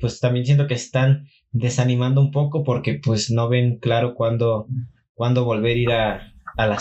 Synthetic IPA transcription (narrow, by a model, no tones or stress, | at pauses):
pwest̪ambje̞nsjent̪o̞keːst̪an | d̪e̞sanĩmãnd̪oumpo̞ko̞po̞ɾke̞pwe̞sno̞βe̞ŋklaɾo̞kwand̪o̞ | kwand̪o̞βo̞lβe̞ɾiɾaːla